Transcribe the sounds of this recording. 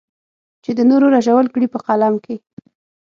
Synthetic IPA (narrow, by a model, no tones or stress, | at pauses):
t͡ʃed̪ənoɾoɾaʒawəlkɽipəqalamke